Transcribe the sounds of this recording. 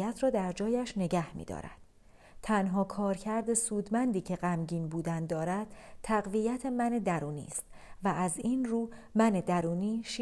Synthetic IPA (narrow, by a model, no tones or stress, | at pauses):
æt̪ʰɾɒːd̪æɾd͡ʒɒːjæʃne̞ɟæhmḭːd̪ɒ̰ːɾæ̰d̪̥ | t̪ʰænɦɒːkʰɒːɾcʰæɾd̪e̞suːd̪mænd̪iːcʰe̞ɢæmɟiːnbuːd̪ænd̪ɒːɾæd̪̥t̪ʰːæɣvijæt̪ʰe̞mæne̞d̪æɾuːnḭːst̪ | vææzinruːmæne̞d̪æɾuːniːʃ